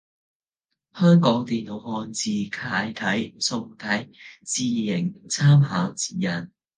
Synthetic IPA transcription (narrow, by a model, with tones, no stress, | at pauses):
hœː˥ŋkɔː˨˥ŋt̪iː˨nlo˨˧˥whɔː˧nt͡siː˧kʰaː˧jt̪ʰɐ˨˥jsʊ˧ŋt̪ʰɐ˨˥jt͡siː˨˧jɪ˨˩ŋt͡sʰaː˥mɦaː˨˥wt͡si̥ː˨jɐ˨˩n